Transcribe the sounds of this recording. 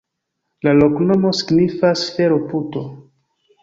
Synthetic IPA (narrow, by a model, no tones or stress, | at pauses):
lalo̞kno̞mo̞si̥ɡnifasfeɾoputo